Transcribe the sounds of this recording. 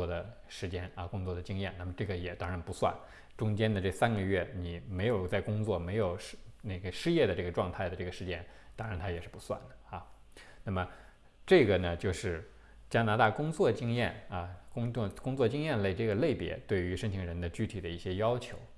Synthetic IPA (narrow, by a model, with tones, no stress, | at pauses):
wɔ˥˩d̪ə˩ | ʂɻ̩˧˥t͡ɕjɛ˥nɐ˧˩kʊ˥ŋt͡swɔ˥˩d̪ə˩t͡ɕi˥ŋjɛ˥˩na˥˩mə˩ʈ͡ʂɤ˥˩ɡə˩jɛ˨˩t̪ɑ˥ŋɻa˧˥npu˧˥swa̰˥˩n | ʈ͡ʂʊ˥ŋt͡ɕjɛ˥nd̪ə˨ʈ͡ʂɤ˥˩sa˥nɡə˧ɥɛ˥˩ni˨˩˦me˧˥ɪjo˨˩ʊt͡sa˥˩ɪkʊ˥ŋt͡swɔ˥˩me˧˥ɪjo˨˩ʊʂne˥˩ɡə˩ʂɻ̩˥˧jɛ˥˩d̪ə˩ʈ͡ʂɤ˥˩ɡə˩ʈ͡ʂwɑ˥˧ŋt̪ʰa˥˩ɪd̪ə˩ʈ͡ʂɤ˥˩ɡə˩ʂɻ̩˥˧t͡ɕjɛ˥nt̪ɑ˥ŋɻa˧˥nt̪ʰa˥jɛ˨˩ʂɻ̩˥˩pu˧˥swa̰˥˩nd̪ə˩ɐ˥˧na˥˩mə˩ | ʈ͡ʂɤ˥˩ɡə˩nə˩t͡ɕjo˥˧ʊʂɻ̩˥˩ | t͡ɕja˥na˧˥t̪a˥˩kʊ˥ŋt͡swɔ˥˩t͡ɕi˥ŋjɛ˥˩nɐ˧kʊ˥ŋ˥˧kʊ˥ŋt͡swɔ˥˧t͡ɕi˥ŋjɛ˥˧nle˥˧ɪʈ͡ʂɤ˥˩ɡə˩le˥˩ɪpjɛ̰˧˥t̪we˥˩ɪy˧˥ʂə˥ŋt͡ɕʰi˧˥ŋɻə˧˥nd̪ə˧t͡ɕy˥t̪ʰi˨˩d̪ə˦i˥˩ɕjɛ˥jɑ˥ʊt͡ɕʰjo˧˥ʊ